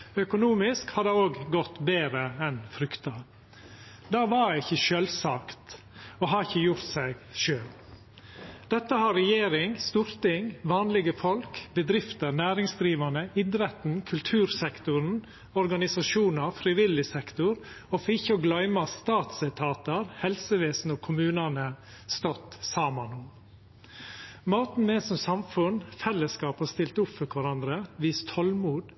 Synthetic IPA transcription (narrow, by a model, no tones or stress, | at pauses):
œkʊnuːmɪskhɑd̪ɛoːɡɡɔt̪beːɾəɛnfɾʏkt̪ɑ | d̪ɑːʋɑɾɪçːəʃøːlsɑːkt̪ | oːɦɑɾɪçːəjʊɾt̪sæɪɡʃøːl | d̪̥ɛt̪ːəhɑɾɛjeːɾɪŋst̪uːɾt̪ɪŋʋɑːnlɪɡəfɔlkbəd̪ɾɪft̪ənæːɾɪŋsd̪ɾiːʋɑnəɪd̪ɾɛt̪n̩kʰʉlt̪ʰʉːɾsɛkt̪ʊɾn̩ | ɔɾɡɑnɪsɑʃuːnəfɾɪʋɪlɪsɛkt̪ʊɾ | ɔfɪçːəɔɡlœʏmɑst̪ɑːt̪sɛt̪ʰɑːt̪əɾhɛlsəʋeːsnəoːkʰʊmʉːnənə | st̪ɔt̪sɑːmɑnʊm | moːt̪n̩meːsɔmsɑmfʉnfɛlːəskɑːphɑst̪ɪlt̪ʊpfɔkʰʋɑɾɑnd̪ɾəʋiːst̪ʰɔlmuːd̪